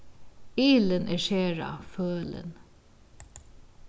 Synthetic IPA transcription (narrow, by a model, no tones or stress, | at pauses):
iːlənʔɛʃeːɹa̰føːlə̰n